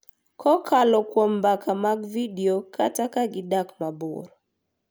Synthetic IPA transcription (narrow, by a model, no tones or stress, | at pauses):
kʰɔkʰalɔkwɔmbakʰamaɡvidiokʰatakaɡɪdakmabo̰r